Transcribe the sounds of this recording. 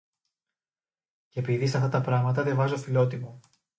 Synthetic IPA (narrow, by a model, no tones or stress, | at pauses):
ceepiðisɐft̪ɐt̪ɐpɾɐɣmɐt̪ɐðjɐvɐzofilo̞t̪imo